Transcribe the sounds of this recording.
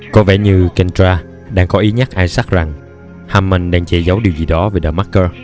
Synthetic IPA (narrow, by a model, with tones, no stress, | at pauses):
kɔ˨˦vɛ̰˧˩ɲɨ˧kɛ˧ntaː˧ | ɗaː˧ŋkɔ˨˦ʔi˨˦ɲa˦˥k̚ʔaː˧jsa˦˥k̚za˨˩ŋ | haː˧˩mːə˨˧˩nɗaː˧ŋt͡ɕe˧˩zə˨˦wɗi˨˩əwzi˨˩ɗɔ˨˦veː˨˩ɗəː˨˩ma˦˥kːəː˧